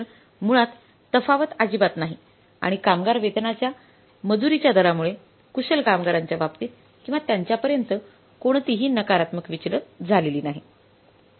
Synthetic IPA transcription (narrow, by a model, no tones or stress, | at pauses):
muɭat̪ː | əfaʋət̪ad͡ʑibat̪naɦi | a̰ɽ̃ikamɡaɾʋed̪nat͡ɕja | məd͡zuɾit͡ɕjad̪ʱəɾamuɭe | kuselkamɡaɾaɲt͡ɕjaʋapt̪iːt̪ | kĩw̃ʋat̪jaɲt͡ɕjapəɾjənt̪ə | koɳ̃t̪iɦiːnəkaɾat̪məkʋit͡ɕɾət̪d͡zʱaleliːnaɦi